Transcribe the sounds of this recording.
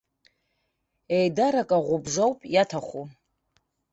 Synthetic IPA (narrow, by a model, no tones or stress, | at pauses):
ejdaɾakʼaʁʷʊbzowpʼjatʰaχʷu